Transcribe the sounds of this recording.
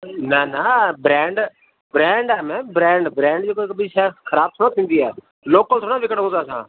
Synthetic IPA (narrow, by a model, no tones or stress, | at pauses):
naːnaːbɾɛ̃ːɳɖ | bɾɛ̃ːɳɖɛːmɛ̃ːbɾɛ̃ːɳɖbɾɛ̃ːɳɖd͡ʒoːkkəbiːsɛːkʰəɾaːb̚t̪ʰʊnãːt̪ʰĩnd̪iːɛː | loːkə̃t̪ʰoːnãːʋɪkəɽõːd̪aːsã̰ː